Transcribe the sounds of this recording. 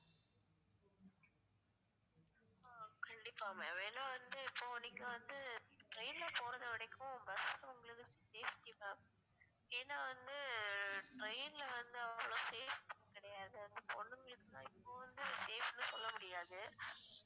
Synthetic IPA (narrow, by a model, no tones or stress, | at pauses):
kɐɳɖɪpːaːmeːʋeːnɐ̃ːʋɐnd̪ɯɪpːoːɪnːɪkːɯʋɐnd̪ɯʈɾɐɪnɪlɐpoːɾɐðɐʋɪɽɐkːõbɐsɐt̪ːɐʊŋɡɐɭɯkːɯsseːfʈɪʋɐ | eːnːaːʋɐnd̪ɯʈɾɐɪnɪlɐʋɐnd̪ɯɐʋːɐɭoːseːfɐnːɐkɪɽɐjaːðɯɐnd̪ɐpɔɳːɯŋɡɐɭɯkːɯt̪ãːɪpːoːʋɐnd̪ɯseːfnːɯsɔlːɐmʊɽɪjaːðɯ